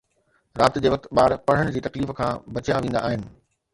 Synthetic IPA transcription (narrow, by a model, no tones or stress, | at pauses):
ɾaːt̪d͡ʑeːʋɐk̚t̪ɓaːɾpɐɽ̤əɽ̃d͡ʑiːt̪ɐkliːfkʰãːbɐt͡ɕaʋĩːnd̪a̰ʔːɦɪnɪ̆